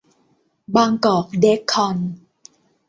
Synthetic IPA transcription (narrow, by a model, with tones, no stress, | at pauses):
baː˧ŋkɔː˨˩k̚de˦˥kʰːɔ˧n